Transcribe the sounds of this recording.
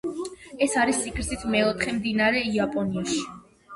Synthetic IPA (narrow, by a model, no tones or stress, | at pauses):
ɛsaɾist̪ʼikʰʼɾzit̪ʰmɛɔt̪χɛmd̪inaɾɛiapʼɔniaʃi̥